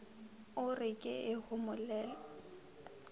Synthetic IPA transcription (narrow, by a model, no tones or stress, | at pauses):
ʊrɪkʼɪɪhʊmʊlɛːlɔ